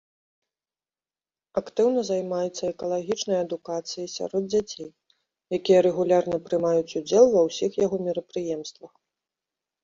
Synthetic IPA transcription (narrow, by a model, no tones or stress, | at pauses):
akt̪ɨwnɐzajmajɛt̪sːɐɛkɐlˠaɣʲit͡ʂnɐjɐd̪ukat̪sɨjisʲa̰ɾɔd̪̚d͡zʲat͡sʲej | jakʲijɐɾɛɣulʲarnɐpɾɨmajut͡sʲud͡zʲɛlˠvɐwsʲixjaɣɔmʲɛɾɐpɾɨjɛmst̪vɐx